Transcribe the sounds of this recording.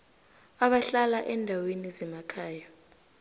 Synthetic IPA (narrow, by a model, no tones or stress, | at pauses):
aɓaɬalaʔɛndʱawenizɛmakʰaːja